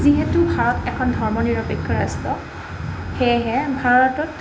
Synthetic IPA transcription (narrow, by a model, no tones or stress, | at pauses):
ziɦetubʱaɹɔtɛkʰɔndʱɔɹmɔniɹɔpekʰːɔɹastɔ | xejɦɛbʱaɹɔtɔt